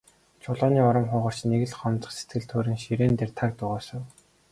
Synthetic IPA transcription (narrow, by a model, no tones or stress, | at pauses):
t͡ɕʰʊɮɔːniːɔɾɞ̆mχʊːʁɞ̆r̥t͡ɕneɣɘ̆ɮχɔnt͡sɞ̆χset̪ɡɘ̆ɮt̪ʰoːɾɘ̆ŋʃiɾeːnt̪ert̪ʰak̚t̪ʊʁɔːsə̆w